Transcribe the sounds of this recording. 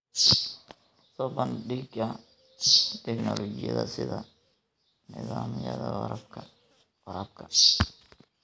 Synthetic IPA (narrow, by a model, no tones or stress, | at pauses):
sɔːbɐnɖɪɡɐ | t̪ʰɛknɔlɔt͡ʃɪjɐ̰ðɐ̰sɪðɐ | nɪðaːmɪjɐðɐwɐɾɐbkʰɐ | wɐɾɐb̚kʰɐ̥